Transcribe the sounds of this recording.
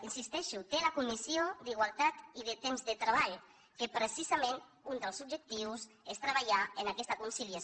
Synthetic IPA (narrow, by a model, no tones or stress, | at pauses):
insist̪ɛʃut̪eləkumisiod̪iɣ̞walˠt̪at̪iðət̪emzðət̪ɾəβ̞aʎ | kəpɾəsizamẽn | und̪əlˠzub̚d͡ʒək̚t̪iws | est̪ɾəβaʎaənakɛst̪əkunsiliə